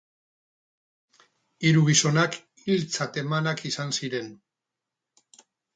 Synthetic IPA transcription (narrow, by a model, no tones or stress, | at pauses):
iɾuɣiso̞nak | ilt͡sat̪e̞manakisansiɾe̞n